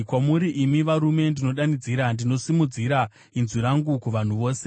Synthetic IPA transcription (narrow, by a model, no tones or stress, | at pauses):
kwamuɾiʔimiʋaɾume̞ndino̞ɗanid͡ziɾandino̞simud͡ziɾa | inziɾaŋɡukuʋan̤uʋo̞ːse